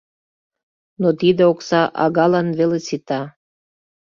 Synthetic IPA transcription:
not̪id̪eoksɑʔɑ̰ɣɑlɑnβelesit̪ɑ

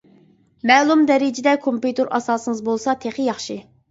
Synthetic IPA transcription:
mɛːlˠumd̪ɛɾɪd͡ʒɪd̪ɛkʰompjut̪ʰeɾʔɑ̰sɑːsɨŋəzbolˠsɑt̪ʰeχɪjɑχʃɨ

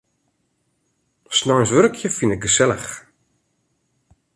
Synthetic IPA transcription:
snɔjnsʋørkʰjəfinɪk̚ɡəsɛləx

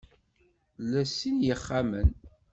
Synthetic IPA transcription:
læsːinjəχːamən

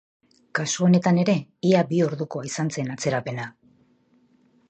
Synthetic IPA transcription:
kasuone̞t̪ane̞ɾe̞iabio̞ɾðuko̞aisant͡se̞nat͡se̞ɾape̞na

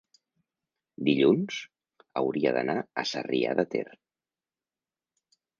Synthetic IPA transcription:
d̪iʎunz̥ | əwɾiəðənaəsəria̰ðət̪er

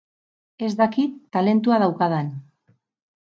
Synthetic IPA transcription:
e̞zd̪akit̪ːale̞nt̪uað̞awkað̞en

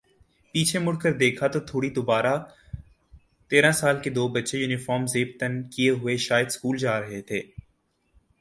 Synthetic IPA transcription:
piːt͡ʃʰemʊɽkəɾd̪eːkʰat̪ot̪ʰoːɽid̪ʊbaːɾa | t̪eːɾãsaːlked̪oːbɐtːʃejuːnɪfɔːɾmzeːp̚t̪ənkijeɦʊeʃaːjəd̪skuːld͡ʒaːɾɐɦet̪ʰeː

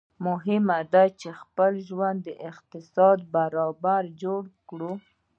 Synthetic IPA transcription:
mʊɦɪmad̪at͡ʃexpəlʒwand̪ːəʔɪqt̪ɪsɑd̪̚baɾɑbaɾd͡ʒoɽkɽu

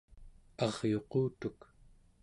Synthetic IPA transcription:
ɑʁjo̞quːt̪uk

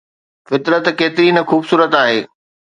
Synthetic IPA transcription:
fɪt̪ɾət̪keːt̪ɪɾinɐxuːbsuːɾət̪aːɦeː

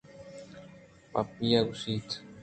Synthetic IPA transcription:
papiaɡusit̪

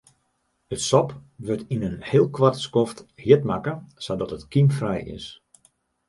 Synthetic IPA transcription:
ətsɔpʋøtinənhɪːlˠkʋartskofthɪətmakəsawdɔtətkimfrɛjɪ̰s

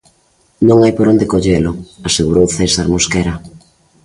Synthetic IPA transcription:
nõŋajpoɾond̪ekoʎelʊaseɣuɾowθɛsaɾmoskɛɾa

